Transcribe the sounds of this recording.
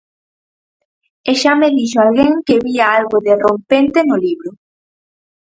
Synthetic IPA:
eʃameðiʃoalɣeŋkeβiɐalɣʊðerompent̪enʊliβɾʊ

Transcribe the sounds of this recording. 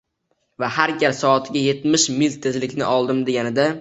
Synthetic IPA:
vahaɾɡʲaɾsɒːt̪ʰɪɡʲaje̞t̪mɪʃmɪlt̪ʰːezlɪkʲnɪ̰ʔɒlˠd̪ɪmd̪e̞ɡʲanɪd̪a

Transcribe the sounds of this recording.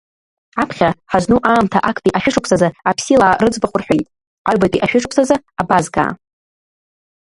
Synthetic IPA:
apʰχʲaħaznuʔaːmtʰaʔakʰʼpʼiʔaʃᶣɪʂɨkʷʰsazaapʰsilaːrɨd͡zbaχʷʼʊrħʷᶣejtʼ | aɥbatʼiʔaʃᶣɪʂɨkʰʷʼsazɨabazɡa̰ː

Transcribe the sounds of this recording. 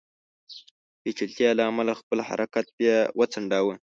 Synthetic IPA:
pet͡ʃilt̪jɑlaːmalaxpəlha̰ɾʔakat̪̚bjɑwʔət͡saɳɖawə

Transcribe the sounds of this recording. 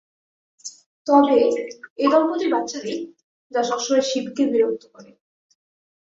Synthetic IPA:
t̪ɔbeed̪ɔlpot̪ibat̪ːɕad̪i | d͡ʑaʃɔʃoɾeɾʃibʱikebiɾod̪ʰʱokɔɾe

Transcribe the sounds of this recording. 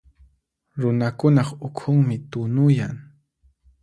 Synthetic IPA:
ɾʊnakʊnɑχʊkʰʊŋmɪt̪ʊnʊjaŋ

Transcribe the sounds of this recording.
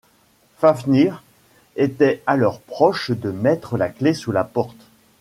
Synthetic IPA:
fafniʁ | et̪ɛalɔʁpχɔʃd̪əmɛt̪χəlaklesulapɔʁt̪

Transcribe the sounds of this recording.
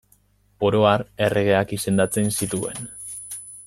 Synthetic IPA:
po̞ɾo̞aɾe̞rʔe̞ɣ̞e̞akise̞nd̪at͡se̞nsit̪ue̞̰n

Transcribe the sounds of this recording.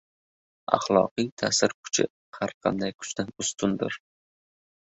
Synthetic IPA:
a̰χlˠɒqɨjt̪ʰa̰sɪɾkʰʊ̥t͡ʃʰɪ | haɾqʰɑ̰nd̪ajkʰʊ̥t͡ʃt̪anʊst̪ʰʊnd̪ɪɾ

